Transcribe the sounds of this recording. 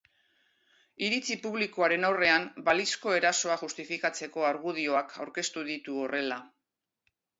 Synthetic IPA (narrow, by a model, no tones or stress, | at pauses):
iɾit͡sipuβ̞liko̞aɾe̞nawre̞ambalisko̞e̞ɾaso̞aʝust̪ifikat͡se̞ko̞aɾɣuð̞io̞akʰawɾke̞st̪uðit̪uore̞la